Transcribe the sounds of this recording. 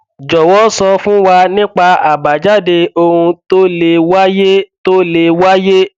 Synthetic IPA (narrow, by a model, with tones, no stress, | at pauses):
d͡ʒɔ˨wɔ˨˦sɔ˧fũ˦wa˧nĩ˦k͡pa˧a˨ba˨d͡ʒa˦˨de˧o˧hũ˧to˦le˧wa˦je˦to˦le˧wa˦je˦